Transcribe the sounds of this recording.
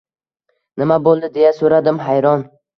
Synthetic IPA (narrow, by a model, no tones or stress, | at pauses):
nɪmabolˠd̪ɪd̪e̞jasoɾad̪ɪmɦajɾɒn